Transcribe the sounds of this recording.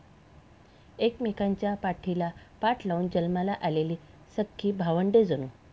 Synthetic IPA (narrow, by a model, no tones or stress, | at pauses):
ekmikaɲt͡ɕjapaʈʰilapaʈʰlauːnd͡ʑəlmalaʔaleliː | səkʰːiːbʱaʋəɳɖed͡zənuː